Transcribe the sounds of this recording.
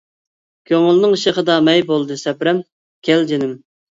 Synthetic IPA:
kʲʰøŋɪlnɪŋʃeχəd̪ɑmɛjbolˠd̪ɨsɛpɾɛm | kʲʰɛld͡ʒenɪm

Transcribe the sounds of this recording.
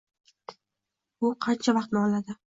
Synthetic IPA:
ʊqʰɑnt͡ʃʰavɑqt̪nɪɒlad̪ɪ

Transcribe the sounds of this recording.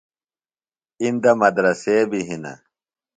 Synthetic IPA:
ind̪ɐmɐd̪ɾɐseːbiɦinɐ̰

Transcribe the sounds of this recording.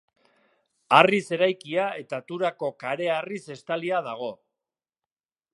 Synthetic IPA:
arise̞ɾajkiae̞t̪at̪uɾako̞kaɾe̞arise̞st̪aliaðaɣ̞o̞

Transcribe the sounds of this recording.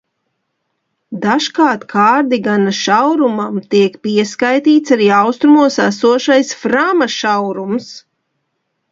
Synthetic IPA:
d̪aʃkaːɾt̪kʰaːɾd̪iɡanaʃawɾumamt̪iɛkpiɛskajt̪iːt̪saɾiːawst̪ɾumuɔsæsuɔʃajsfɾamaʃawɾums

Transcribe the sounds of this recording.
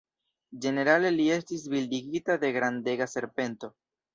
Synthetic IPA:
d͡ʒe̞ne̞ɾale̞lie̞stis̬bildiɡitad̪e̞ɡɾande̞ɡase̞ɾpe̞nto̞

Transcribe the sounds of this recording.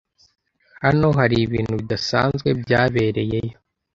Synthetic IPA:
hano̞ɦaɾiβiːn̥huβid̪asa̰ːnzɡwe̞bjaːβe̞ːɾe̞je̞jo

